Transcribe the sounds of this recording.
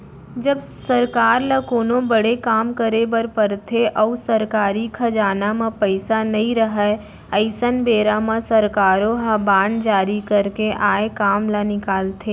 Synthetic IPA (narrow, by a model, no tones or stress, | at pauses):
d͡ʒəbsɐɾkaːɾlɐkoːnõbəɽekaːmkəɾebəɾpɐɾt̪ʰeʔɔːsɐɾkaːɾikʰɐd͡ʒaːnamãpəɪsanɐɦĩɾəɦa | əɪsənbeːɾamãsɐɾkaːɾõɦɐbaːɳɖd͡ʒaːɾikɐɾkeʔaːekaːmlanɪkaːlt̪ʰeː